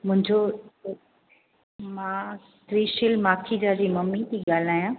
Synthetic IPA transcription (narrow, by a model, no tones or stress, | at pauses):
mʊ̃ɦɪ̃ɲd͡ʑo | mãː | t̪ɾiːʃɪlmaːkʰid͡ʑaːd͡ʑiːmɐmːit̪ʰiːɠaːl̤aːjã